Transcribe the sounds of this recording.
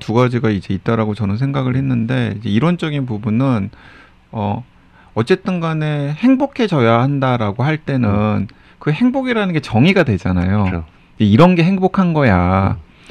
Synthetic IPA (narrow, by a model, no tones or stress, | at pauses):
tuɡad͡ʑiɡaid͡ʑe̞it̚t͈ʌɾaɡot͡ɕʌnɯns̬ʰeŋɡaɡɯɭhe̞nːɯnde̞id͡ʑe̞iɾwʌnt͡ɕ͈ʌɡinp̬ubunɯn | ʌ | ʌt͡ɕ͈e̞t͈ɯnɡane̞he̞ŋbokʰe̞t͡ɕʌjaɦandaɾaɡohaɭt͈e̞nɯn | kɯhe̞ŋboɡiɾanɯnɡe̞t͡ɕʌŋiɡadwe̞d͡ʑanajo | jeiɾʌnɡe̞ɦe̞ŋbokʰanɡʌja